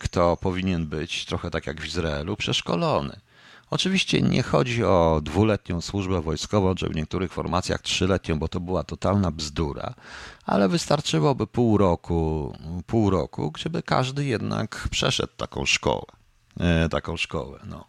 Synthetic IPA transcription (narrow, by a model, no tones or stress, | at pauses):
kt̪ɔpɔvʲiɲɛnbɘt͡ɕt̪ɾɔxɛt̪akʲjaɡvʲizɾaɛlupʂɛʂkɔlɔnɘ̰ | ɔt͡ʂɘvʲiɕt͡ɕɛ̰ɲɛ̰xɔd͡ʑiɔd̪vulɛt̪̚ɲɔ̃w̃swuʐbɛvɔjskɔvɔ̃w̃t͡ʂɛ̰vɲɛk̚t̪uɾɘxfɔɾmat̪sʲja̰xtʂɘlɛt̪ɲɔ̃w̃bɔt̪ɔbɘwat̪ɔt̪alnabzd̪uɾa̰a̰lɛvɘst̪aɾt͡ʂɘwɔbɘpuwɾɔkupuwɾɔ̰kṵɡd͡ʑɛbɘka̰ʐd̪ɘjɛd̪na̰kpʂɛʂɛ̰t̪ːakɔ̰̃w̃ʂkɔ̰wɛ | t̪akɔ̃w̃ʂkɔ̰wɛnɔ̰